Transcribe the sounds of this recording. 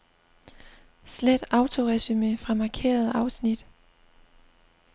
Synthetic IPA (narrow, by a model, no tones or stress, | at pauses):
sled̥ɑ̈ʊt͡sʰo̝ʁɛsymefʁɑ̈mɑ̈ːkʰe̝̰ːɐð̞ˠɑ̈ʊsnid̥